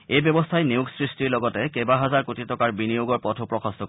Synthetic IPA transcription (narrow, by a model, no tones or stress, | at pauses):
ejbjɔbɔstʰajniuɡsɹistiɹlɔɡɔtɛkebaɦazaɹkutitɔkaɹbinijuɡɔɹpɔtʰopɹɔkʰastɔkɔ